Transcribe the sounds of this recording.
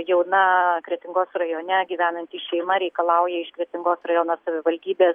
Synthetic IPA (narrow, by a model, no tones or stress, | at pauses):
jɛʊnɐkɾʲiɛt̪ʲɪŋɡoːsrɐjoːnʲɛɡʲiːʋʲæːnɐnʲt̪ʲiːʃʲɛɪmɐɾʲɛɪkɐlˠɐʊjɛɪʃkɾʲiɛt̪ʲɪŋɡoːsrɐjoːnoːssɐʋʲɪʋɐlʲd̪ʲiːbʲeːs